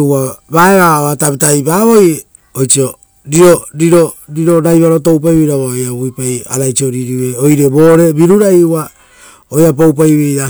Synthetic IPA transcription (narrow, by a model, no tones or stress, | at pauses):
abaeβaoatapitajpaβo̞je | ojt͡ʃio | ɾiɾoɾiɾoɾiɾo̞ɾajβaɾo̞to̞wp̬ajβejɾaβaojaβujpaja̰ɾajt͡ʃioɾiɾiwe̞ojɾeboːɾe̞biɾuɾajua | ojap̬owp̬ajβea